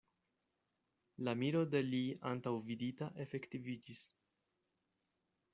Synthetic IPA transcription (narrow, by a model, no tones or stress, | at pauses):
lamiɾo̞de̞liantawviditaʔe̞fe̞ktivid͡ʒis